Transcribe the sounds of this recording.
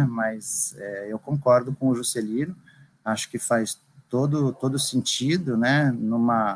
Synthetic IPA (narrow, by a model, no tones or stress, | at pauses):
mɐzɛewkõŋkɔɾd̪ʊkõʊʒuselinʊ | aʃʊ̥kɪfajs | t̪od̪ʊt̪od̪ʊsẽnt͡ʃid̪ʊnɛnũmɐ